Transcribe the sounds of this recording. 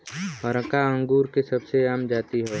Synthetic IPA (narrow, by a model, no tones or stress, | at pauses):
ɦɔɾəkaə̃ŋɡuːɾkesɐbseaːmd͡ʒaːt̪iɦɛː